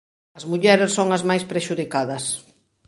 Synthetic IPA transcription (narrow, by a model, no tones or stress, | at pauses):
ɐzmuʎɛɾessoŋɐzmajspɾeʃuðikaðɐs